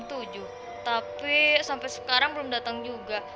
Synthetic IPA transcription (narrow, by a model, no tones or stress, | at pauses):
t̪ud͡ʒʊh | t̪apisampajsə̥kaɾaŋbəlʊmdat̪aŋd͡ʒuɡa